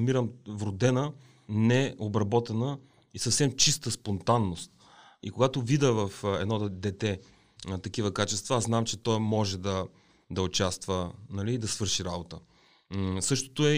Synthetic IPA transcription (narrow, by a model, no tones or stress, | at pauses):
miɾəmvɾʊd̪ɛnə | nɛobɾɐbɔt̪ɛnə | isɐfsɛmt͡ʃist̪əspont̪anːost̪ | ikoɡat̪ovid̪əvɐfɛ̰d̪nɔd̪ɛt̪ɛ | t̪ɐkivəkat͡ʃɛst̪vɐaznamt͡ʃɛt̪ɔjmɔʒɛd̪ɐ | d̪ɐot͡ʃast̪vənɐliːd̪ɐsvɤɾʃiɾabot̪ə | sɤʃt̪o̥t̪oɛ